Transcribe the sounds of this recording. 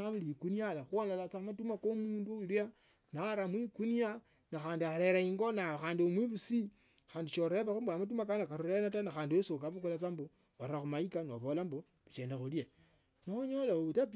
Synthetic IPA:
amulikunialaxuonalat͡samatumakomuːnduulia | naɾamwikunia | naxaːndiaɾeɾaiŋɡonaxaːndiomwiβusi | xaːndit͡ʃoɾeβaxumbwamat̬umakanakaɾuɾenatanaxaːndiesokaβukulat͡sambo | oɾaxumaikanoβolambo | βut͡ʃeːndexulje | noɲolauβutap

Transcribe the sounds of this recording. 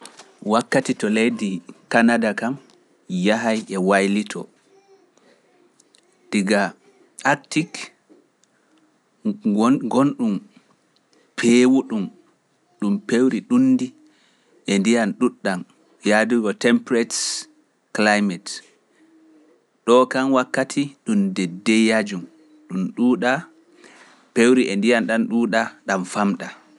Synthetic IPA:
wakːatitɔlejdikanadakam | jaɦajɛwajlitʰɔ̰ | d̥iɡa | aktik | ɡɔnɗum | pʰeːwuɗum | ɗumpewɾiɗunːdi | ʔɛndijanɗuɗːam | jaduɡɔtɛmpɾɛt | klajmɛt | ɗɔkanwakːatʰiɗumdɛdːɛjad͡ʒum | ɗumɗuːɗa | pewɾiʔɛndijanɗanɗuɗaɗamfamɗa

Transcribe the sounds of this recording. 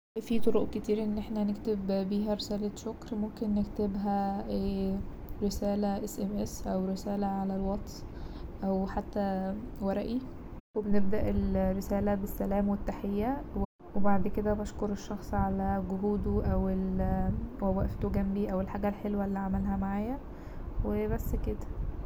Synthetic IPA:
fit̪ˤoɾoʔket̪iːɾʔenːʔeħnænekt̪ebbiːɦæɾesæːlæʃokɾmomkenːekt̪ebɦæʔeː | ɾesæːlæʔesʔemʔesʔæwɾesæːlæʕalælwɑt̪ˤsʔæwħat̪ːæwæɾˤæʔi | webeneb̚d̪æʔelɾːesæːlæbesːælæːmwet̪ːaħejːæw | webaʕd̪ked̪æbɑʃkoɾeʃːɑxsˤʕalæɡoɦuːd̪oʔæwel | wæwæʔft̪oɡæmbiʔæwelħaːɡælħelwælːiːʕamælɦæmaʕaːjæ | webæsːked̪æ̥

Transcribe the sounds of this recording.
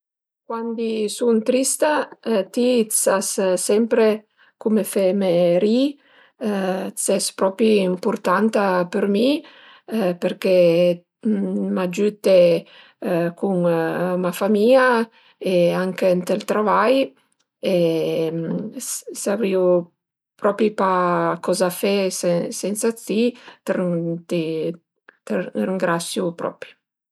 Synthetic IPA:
kwand̪isunt̪ɾist̪at̪isassɛmpɾe | kumefɛmeɾi | t͡sɛspɾɔpiimpuɾt̪ant̪apeɾmi | peɾke | mad͡ʒyt̪ːe | kuŋmafamia | eaŋkent̪elt̪ɾavaj | e | savɾiu | pɾɔpɾipakɔzafessɛnsat͡sit̪ɾt̪ | t̪riŋɡɾasjupɾɔ̰pɾi

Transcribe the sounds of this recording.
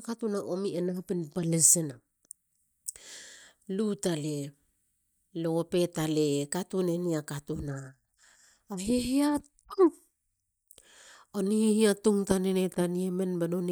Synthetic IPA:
katunaʔomienapinpalesena | lutale | loope̞talekatuneniakatunaː | ɦeɦiatuŋ | onihiatuŋtanenetaniemenbanon

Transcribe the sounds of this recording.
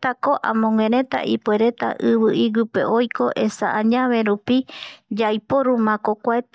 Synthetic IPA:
t̪ako̞ʔã̰mõŋwẽɾẽ̞t̪a̰ʔipweɾet̪a̰ʔɨβɨʔiɡɨpḛʔojko̞ʔe̞saʔãɲãβe̞ɾupid͡ʒajpo̞ɾumãkokʷaet̪

